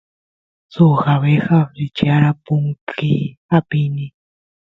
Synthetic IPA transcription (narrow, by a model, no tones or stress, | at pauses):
suxaβexaɾit͡ʃaɾapuŋkʰiapini